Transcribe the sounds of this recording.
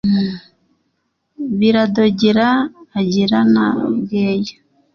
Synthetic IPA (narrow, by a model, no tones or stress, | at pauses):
βiɾadoɟiɾaːɟiɾana̰bɡeːjo̥